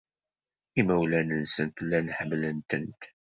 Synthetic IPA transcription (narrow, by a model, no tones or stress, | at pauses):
imæwlænənsənt̪lːænħəmːlənt̪ənt̪